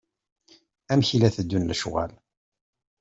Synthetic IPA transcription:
æmçilæθəd̪ːunləʃʁæ̰l

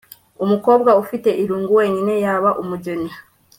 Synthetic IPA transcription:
umuko̞ːbɡaufite̞ʔiɾuːŋɡuwe̞ːɲine̞jaβaʔumuɟeni

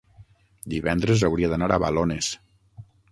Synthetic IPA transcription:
d̪iβɛnd̪ɾezawɾiaðanaɾaβa̰lones

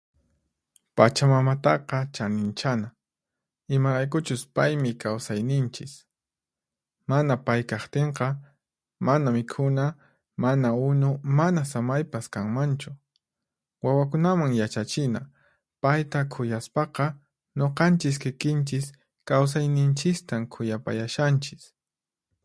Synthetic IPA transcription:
pat͡ʃamamat̪ɑqɑt͡ʃanɪnt͡ʃana | ɪmaɾajk̬ʊt͡ʃʊspajmɪkawsajnɪnt͡ʃɪs | manapajkɑχt̪eɴqɑ | manamɪkʰʊna | manaʊnʊmanasamajpaskaŋmant͡ʃʊ | wawakʊnamaŋjat͡ʃat͡ʃɪna̰ | pajt̪akʰʊjaspɑqɑ | ɲoqɑnt͡ʃɪs̬kɪkɪnt͡ʃɪs | kaws̬ajnɪnt͡ʃɪst̪amkʰʊjapa̰jaʃant͡ʃɪ̥s

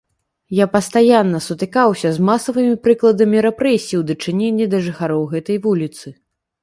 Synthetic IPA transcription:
japɐst̪ajanːɐsut̪ɨkawsʲɐzmasɐvɨmʲipɾɨklˠɐd̪ɐmʲiɾɛpɾɛsʲijiwd̪ɐt͡ʂɨnʲenʲːid̪ɐʐɨxaɾɔwɣɛt̪ɐjvulʲit̪sɨ

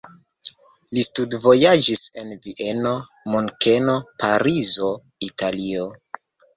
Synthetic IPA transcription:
listudvo̞jad͡ʒise̞nviʔe̞no̞ | muŋke̞no̞paɾizo̞ | italio

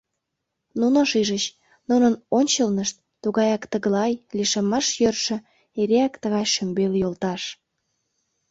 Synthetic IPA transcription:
nunoʃiʒət͡ɕ | nunənonʲt͡ɕəlnəʃt̪̚ːuɣɑjɑkt̪əɣəlɑjliʃemɑʃjørʃə̆ | eɾeækt̪əɣɑjʃømbeljolt̪ɑʃ

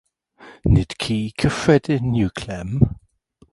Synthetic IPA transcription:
nɪd̥kʰikʰəfɛdɪnjukʰlɛm

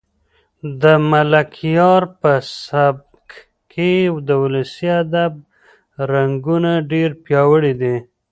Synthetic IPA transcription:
d̪əmalakʰijɑɾpəsab̚ | k | kʰewd̪əwʊlusiad̪ab̚ | ɾaŋɡunaɖeɾpjɑwəɽid̪i

